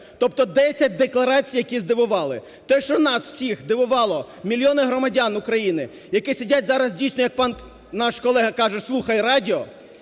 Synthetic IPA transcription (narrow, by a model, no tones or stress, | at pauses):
t̪ɔp̚t̪ɔd̪ɛsʲɐt̚ʲd̪eklˠɐɾɑt͡sʲijɐkʲizd̪ɪʋʊʋɑlˠɪ | t̪ɛʃt͡ʃɔnɑsw̥sʲixd̪ɪʋʊʋɑlˠɔ | mʲilʲjɔnɪɦɾɔmɐdʲanukɾɐjinɪ | jɐkɪsʲidʲatʲzɑɾɐzdʲijsʲnɔjɐk̚pɑn | nɑʃkɔlˠɛɦɐkɑʒɛslˠuxɐjɾɑdʲiɔ